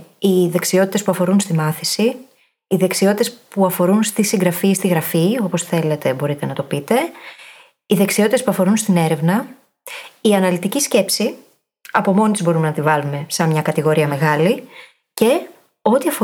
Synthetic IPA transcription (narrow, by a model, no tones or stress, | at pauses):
iðe̞ksio̞t̪it̪e̞spuɐfo̞ɾunst̪imɐθisiː | ðe̞ksio̞t̪it̪e̞spuɐfo̞ɾunst̪isiŋɡɾɐfist̪iɣɾɐfio̞po̞sθe̞le̞t̪e̞bo̞ɾit̪e̞nɐt̪opit̪e̞ | iðe̞ksio̞t̪it̪spuɐfo̞ɾunst̪ine̞ɾe̞vnɐ | iɐnɐlit̪icisce̞psi | ɐpo̞mo̞nit̪izbo̞ɾume̞nɐt̪ivɐlume̞sɐmɲɐkɐt̪iɣo̞ɾiɐme̞ɣɐli | ce̞ | o̞t̪iɐfo